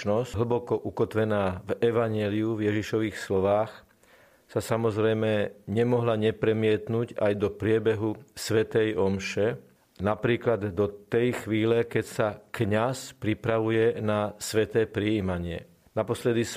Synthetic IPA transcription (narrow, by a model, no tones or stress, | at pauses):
nɔsɦl̩bɔkɔʔukɔt̪ʋɛnaːvɛʋaɲɪɛliuvjɛʒiʃɔʋiːxslɔʋaːx | sasamɔzɾɛjmɛɲɛmɔɦlaɲɛpɾɛmɪɛt̪nuːɟajd̪ɔpɾɪɛbɛɦusʋɛt̪ɛjɔmʃɛ | napɾiːklad̪d̪ɔt̪ɛjxʋiːlɛkɛcsakɲaspɾipɾaʋujɛnasʋɛt̪ɛːpɾijiːmaɲɪɛ̰ | napɔslɛd̪is